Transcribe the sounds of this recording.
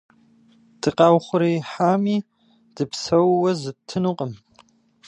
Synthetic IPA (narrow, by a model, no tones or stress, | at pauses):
d̥ɨqɑːwχʷʊɾeːħaːmiː | d̥ɨpsɐwːɐzɨp̚tʰɨnuqʼəm